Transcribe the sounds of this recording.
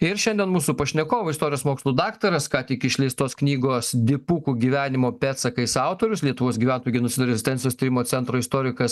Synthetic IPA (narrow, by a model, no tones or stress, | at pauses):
ɪɾʃʲɛnʲd̪ʲɛnmuːsupɐʃʲnʲɛkoːʋoɪst̪oːɾʲɪjoːsmoːkslˠuːd̪ɑːkt̪ɐɾɐskɑːt̪ʲɪkɪʃʲlʲɛɪst̪oːsknʲiːɡoːsd̪ʲɪpuːkuɡʲiːʋʲæːnʲɪmoːpʲæːt̪sɐkɐɪsɐʊt̪oːɾʲʊslʲiɛt̪ʊʋoːsɡʲiːʋʲænt̪oːjuɡʲɪnʊsʲɪd̪ʊɾʲɛzʲɪsʲt̪ʲɛnʲsʲɪjoːst̪iːɾʲɪmoːsʲɛnt̪ɾoːɪst̪oːɾʲɪkɐs